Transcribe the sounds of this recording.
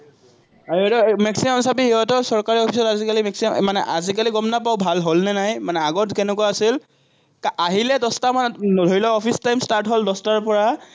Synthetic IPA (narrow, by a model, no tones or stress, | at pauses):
ahiɦɔtɔmɛksimamsapihiɦɔtɔsɔɹkaɹiɔpʰisɔtazikalimɛksimmanɛ̰ʔazikaliɡɔmnapaʊbʱalɦolnɛnajmanɛaɡɔtkɛnɛkɔaasil | kaʔaɦilɛdɔstamandʱoɹilɔɔpʰistajmstaɹtɦoldɔstaɹpɔɹa